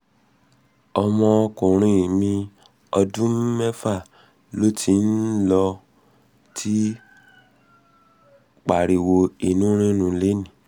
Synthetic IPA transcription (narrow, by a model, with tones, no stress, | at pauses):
ɔ˧mɔ̃˧kũ˨ɾ̃ĩ˧˨mĩ˧ | ɔ˧dũ˦m̩˦mɛ˦fa˦˨ | lo˦tʰi˧˦n̩˦lɔ˧ | tʰi˦ | k͡pa˨ɾi˨wo˧i˨nũ˦ɾ̃ĩ˦nũ˨˧˦le˦nĩ˦˨